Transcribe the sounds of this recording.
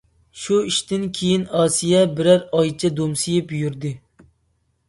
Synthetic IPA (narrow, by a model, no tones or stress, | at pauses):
ʃuiʃt̪ɪnkʲʰejinɑːsijɛbɪɾæɾɑjt͡ʃʰɛd̪omsijɪpjyɾd̪ɪ